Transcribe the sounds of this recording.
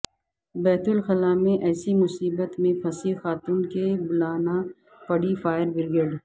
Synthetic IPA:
bɛːt̪ʊlxɐlaːmẽʔɛːsimʊsiːbət̪mẽpʰɐsixaːt̪uːnkebʊlaːna | pɐɽifaːɪɾbɪɾɡeːɖ

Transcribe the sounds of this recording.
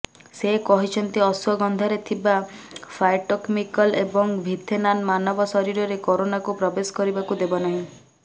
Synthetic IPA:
sekɔɦit͡ʃʰɔnt̪iɔswɔɡɔnd̪ʱaɾet̪ʰiba | fʰajʈokmikɔlebɔŋbʱid̪ʱenanmanɔbɔsɔɾiɾɔɾekoɾonakupɾɔbesɔ̥kɔɾibakud̪ebɔnaɦĩ

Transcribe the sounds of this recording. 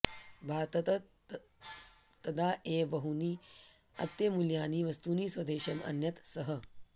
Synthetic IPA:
bʱaːɾt̪ɐt̪ɐ | t̪ɐd̪aːʔeːʋɐɦuniː | ɐ̰t̪jemuljaːniʋɐst̪uːniːsʋɐd̪eːʃɐmɐ̰njɐt̪sɐɦɐ

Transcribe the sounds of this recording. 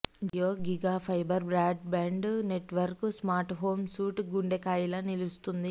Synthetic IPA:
joːɡiɡaːpʰɐjbɐɾbɾaːɖ̚baːɳɖne̞ʈʋɐɾkusmaːɾʈɦoːmsuːʈɡuɳɖekaːjilɐnilust̪und̪i

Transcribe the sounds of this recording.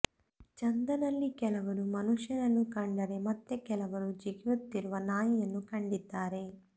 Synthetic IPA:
t͡ʃɐnd̪ɐnɐlːikɛlɐʋɐɾumɐnuʂjɐnɐnːukɐɳɖɐɾe̞mɐt̪ːekɛlɐʋɐɾud͡ʒiɡʋut̪ːiɾuʋɐnaːjɐjɐnːukɐɳɖid̪aːɾe̞

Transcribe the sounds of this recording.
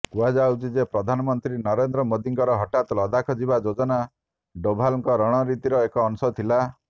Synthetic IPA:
kuad͡ʒawt͡ʃid͡ʒepɾɔd̪ʱanɔmɔnt̪ɾinɔɾend̪ɾɔmod̪iŋkɔɾɔɦɔʈat̪ɔlɔd̪akʰɔd͡ʒibad͡ʒod͡ʒɔna | ɖobʱalɔŋkɔɾɔɽ̃ɔɾit̪iɾɔekɔːnusɔt̪ʰila

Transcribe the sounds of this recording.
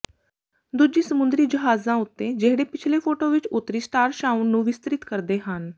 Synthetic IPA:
d̪ud͡ʒiːsəmʊ̃nd̪ɾiːd͡ʒəɦaːzãːʊt̪ːeːd͡ʒeɦɽeːpɪt͡ʃʰleːpʰoːʈoːʋɪt͡ʃʊt̪ːɾiːsʈaːɾʃaːʊnːũːʋɪst̪ɾɪt̪kəɾd̪eːɦən

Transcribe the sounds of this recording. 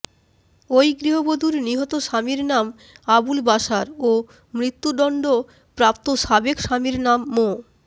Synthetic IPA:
ojɡɾiɦobod̪ʱuɾniɦɔt̪oʃamiɾnam | abulbaʃaɾo | mɾit̪ːud̪ɔɳɖo | pɾap̚t̪oʃabekʃamiɾnamːo

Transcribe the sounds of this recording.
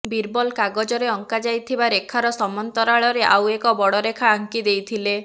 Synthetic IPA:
biɾbɔlkaɡɔd͡ʒɔɾeɔŋkad͡ʒajt̪ʰibaɾekʰaɾɔsɔmɔnt̪ɔɾaɭɔɾeʔa̰wekɔbɔɽɔɾekʰaːŋkid̪ejt̪ʰile

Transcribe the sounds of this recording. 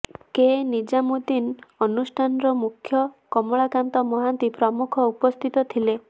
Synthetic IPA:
kenid͡ʒamud̪inɔnusʈʰanɔɾɔmukʰjɔkɔmɔɭakant̪ɔmɔɦant̪ipɾɔmukʰɔupɔst̪ʰit̪ɔt̪ʰile

